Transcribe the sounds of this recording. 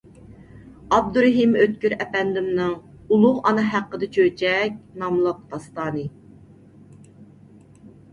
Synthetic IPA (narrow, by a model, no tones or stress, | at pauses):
ɑb̚d̪uɾɛɦimøt̪̚kʲyɾɛpɛnd̪ɪmnɨŋ | ulˠʊʁɑnɨɦæqːəd̪ɨt͡ʃʰøt͡ʃɛk̚ʲnɑmlˠəq̚t̪ʰɑst̪ɑːnɨ